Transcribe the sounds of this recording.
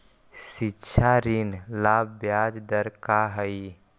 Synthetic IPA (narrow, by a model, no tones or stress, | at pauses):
sitːʃʰaɾinlaːbbjad͡ʒd̪əɾkaɦəi